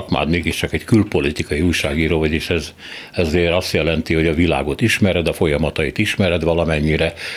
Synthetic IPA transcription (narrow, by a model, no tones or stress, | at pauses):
kma̰ːd̪meːɡiʃt͡ʃɒkɛckylpo̞lit̪ikɒjiuːjʃaːɡiːɾoːvɒɟeːʃɛz | ɛzɒzeːɾɒst̪jɛlɛnt̪iho̞ɟɒvila̰ːɡo̞t̪iʃmɛɾɛd̪ɒfo̞jɒmɒt̪ɒit̪iʃmɛɾɛd̪vɒlɒmɛɲːiɾɛ